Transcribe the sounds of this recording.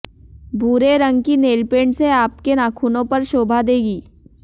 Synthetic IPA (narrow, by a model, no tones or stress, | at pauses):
buːɾeɾə̃ŋɡkineːlpeːɳɖseaːp̚kenaːkʰuːnõpɐɾʃoːbʱad̪eːɡiː